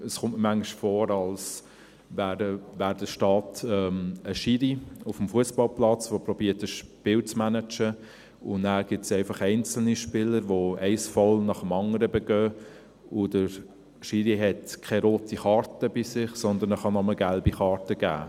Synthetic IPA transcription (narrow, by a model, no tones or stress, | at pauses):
əsχʊmtmæŋɡɪʃfɔːɾɑls | væːɾəvæːɾdəʃtɑːtɛməʃiɾiʊfm̩fuəsb̥ɑlplɑt͡sʋopɾɔb̥iːəɾtəʃpɪːlt͡smænət͡ʃə | ʊnæːɡ̥ɪp̚tsɛɪfɑχɛɪnt͡sl̩niʃpɪləɾʋoɛɪsfɔlnɑχəmɑŋəɾəbɛɡ̥œː | ʊdə | ʃiɾiɦɛtkʰɛɾoːtʰiχɑɾtəb̥isɪχsɔnd̪ənəχɑnɔməɡælbiχɑːɾtəɡ̥æ̰ː